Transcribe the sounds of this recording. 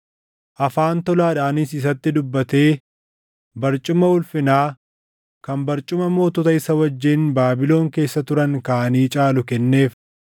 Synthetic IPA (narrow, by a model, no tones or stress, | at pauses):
ʔɐfaːnt̪ɔlaːᶑaːnɪsɪs̬ɐt̪ːɪd̪ʊbːɐt̪e̞ː | bɐɾt͡ʃʼʊmɐʊlfɪnaː | kɐmbɐɾt͡ʃʼʊmɐmo̞ːt̪ɔt̪ɐɪsɐwɐd͡ʒːinbaːbɪlo̞ːŋke̞ːsːɐt̪ʊɾɐŋkaːʔɐniːt͡ʃʼaːlʊkɛnːe̞ːf